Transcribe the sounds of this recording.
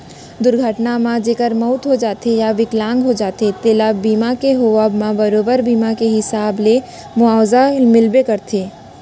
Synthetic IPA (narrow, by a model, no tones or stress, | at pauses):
d̪ʊɾɡʱəʈnamãd͡ʒeːkəɾmɔːt̪ɦod͡ʒaːt̪ejaʋɪklãːŋɡɦod͡ʒaːt̪et̪eːlabiːmakeɦoabmãbɐɾoːbəɾbiːmakeɦɪsaːble | mʊaːwzamɪlbekɐɾt̪ʰeː